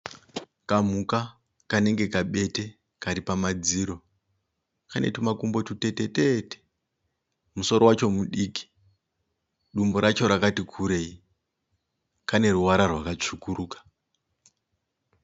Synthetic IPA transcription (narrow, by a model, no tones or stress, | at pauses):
kam̤uka | kane̞ŋɡe̞kaɓe̞te̞ | kaɾipamad͡ziːɾo̞ | kane̞̰tumakumbo̞tute̞tetete̥ | muso̞ɾowat͡ʃo̞muɗiːki̥ | ɗumboɾat͡ʃo̞ɾakatikʰuɾe̞i | kane̞ruwaɾarwakat͡ʂukuɾuːkḁ